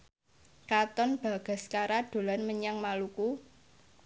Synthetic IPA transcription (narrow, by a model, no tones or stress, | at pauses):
kat̪ɔnb̥a̤ɡ̥a̤skaɾad̥o̤lanməɲaŋmaluku